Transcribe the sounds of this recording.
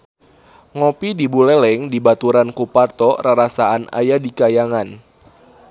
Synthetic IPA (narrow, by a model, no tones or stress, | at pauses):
ŋɔpidibulɛlɛŋdibat̪uɾankupart̪ɔraɾasaana̰jadikajaŋan